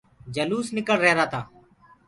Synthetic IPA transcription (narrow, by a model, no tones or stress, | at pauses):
d͡ʒəluːsnɪkəɭɾɛɦɾaːt̪ʰaː